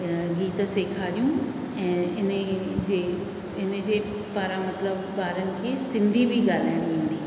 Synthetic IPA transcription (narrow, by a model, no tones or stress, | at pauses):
ɡiːt̪̆seːkʰaːɾijũ | ɛ̃ːɪnəd͡ʑeː | ɪnə̆d͡ʑeː | paːɾãmɐt̪ləb | paːɾənɪ̆kʰeːsɪ̃nd̪ʱibʱiɠaːl̤aːɪɽ̃iʋĩːn̆d̪iː